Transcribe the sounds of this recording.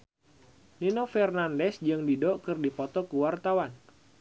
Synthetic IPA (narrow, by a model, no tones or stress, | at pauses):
ninɔfɛrnandɛsd͡ʒɨŋdidɔʔkɨrdipɔt̪ɔkuwart̪awan